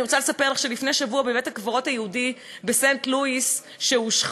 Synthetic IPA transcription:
iʁot͡salesapeʁlaχʃelifneʃavuabevetakvoʁo̞thajehudi | besentluis | ʃeuʃχ

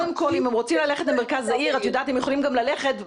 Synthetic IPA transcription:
demko̞limemʁo̞t͡simlaleχetlemeʁkazaiʁatjodaːt̪hemjχo̞limɡamlale̞χe̞t

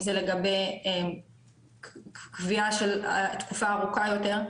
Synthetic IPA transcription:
zele̞ɡabeje | kviaʃelt̪kufaːʁukajo̞te̞ʁ

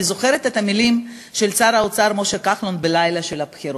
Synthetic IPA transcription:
izo̞χe̞ɾet̪et̪amilim | ʃe̞lt͡saɾaot͡saɾmo̞ʃekaχlonbelajlaʃe̞lhapχiɾo

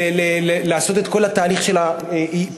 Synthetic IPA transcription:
lelelaːso̞t̪et̪ko̞lhat̪aːliχʃe̞la | ei

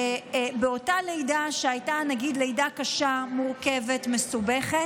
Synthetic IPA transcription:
beo̞tale̞jdaʃeajtanaɡidle̞jdakaʃamuʁke̞ve̞tmesube̞χet

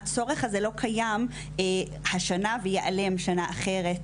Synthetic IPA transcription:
t͡so̞ʁeχazelo̞kʰajam | haʃanavejeʔale̞mʃanaʔaχe̞ʁet

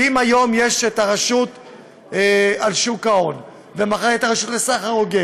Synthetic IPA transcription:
imajo̞mje̞ʃet̪aʁaʃut̪ | alʃukao̞n | vemaχaet̪aʁaʃutlesaχaoɡe

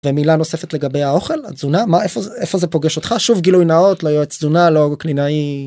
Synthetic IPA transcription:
vemilanose̞fetle̞ɡabe̞jao̞χe̞la̰zunamaʔefoefo̞zepoɡeʃo̞tχaʃuvɡilujnaotlojoet͡szunaloklinai

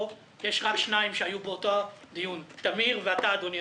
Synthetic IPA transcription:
jeʃʁakʃnaimʃeajubeotoad̪ijunt̪amiʁveat̪aːd̪onj

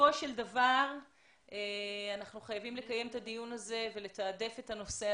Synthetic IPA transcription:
o̞ʃeld̪avaʁ | eanaχnuχajavimle̞kaje̞met̪ad̪ijunaze̞ve̞le̞t̪aːde̞fetano̞se̞

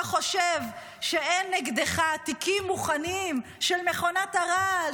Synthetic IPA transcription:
χo̞ʃev | ʃeenːeɡd̪eχat̪ikimːuχanim | ʃelmeχo̞nataʁal

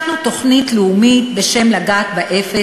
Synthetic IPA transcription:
nuto̞χnitleumit̪be̞ʃe̞mlaɡaːt̪baʔefe

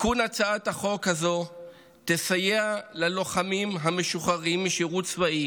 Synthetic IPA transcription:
kunat͡saataχo̞khazo̞ | t̪esajealalo̞χamimɦame̞ʃuχaʁimːiʃiʁut͡svaʔi

